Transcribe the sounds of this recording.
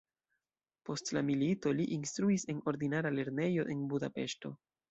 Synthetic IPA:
po̞stlamilito̞liʔinstɾuise̞no̞ɾd̪inaɾale̞ɾne̞jo̞ʔe̞nbudape̞ʃto̞̰

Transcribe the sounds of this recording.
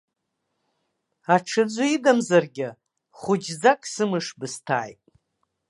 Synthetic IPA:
aʈ͡ʂʰɨd͡zʷʊidamzarɡʲɪ | χʷʊd͡ʒd͡zakʼsɨmɨʂbɨstʰa̰ːjtʼ

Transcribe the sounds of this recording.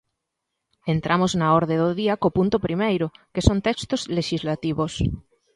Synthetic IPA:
ent̪ɾʔamoznaɔɾðeðoðiakopunt̪ʊpɾimejɾʊkesont̪ɛkst̪ozleʃizlat̪iβos

